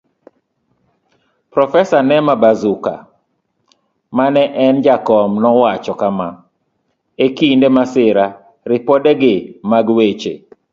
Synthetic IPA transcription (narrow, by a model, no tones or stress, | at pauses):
pɾɔfɛsanɛmabazuka̰ | manɛʔɛnd͡ʒakɔmnɔwat͡ʃɔkama | ekindemasɪɾa | ɾɪpɔdeɡɪmaɡwet͡ʃe